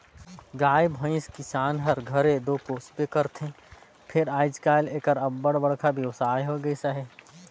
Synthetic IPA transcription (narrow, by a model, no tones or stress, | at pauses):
ɡaːjbʱə̃ɪ̃skɪsaːnɦɐɾɡʱəɾed̪oːpoːspekəɾt̪ʰẽ | pʰɪɾaːɪd͡ʒkaːleːkəɾɐbːəɽbɐɽkʰabʱjɐʋsaːɦoɡəisəɦɛː